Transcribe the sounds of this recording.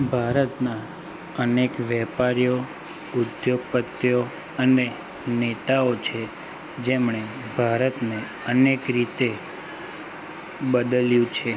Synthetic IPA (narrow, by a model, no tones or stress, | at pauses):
bʱaɾət̪na | ənekʋɛpaɾijo | ʊd̪joɡ̚pət̪jo | əne | net̪aot͡ʃʰe | d͡ʒemɳe | bʱaɾət̪ne | ənekɾit̪e | bəd̪əljũt͡ʃʰe